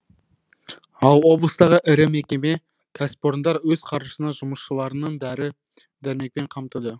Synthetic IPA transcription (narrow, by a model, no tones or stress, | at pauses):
ɑlˠwo̞blˠəst̪ɑʁəʔɪɾɪme̞kʲe̞me | kʲʰæspo̞ɾnd̪ɑɾwɵzqʰɑɾə̥sənɑʒʊməsʃəlˠɑɾənəɴd̪æɾɪ | d̪æɾme̞k̚pe̞ɴqʰɑmt̪əd̪ə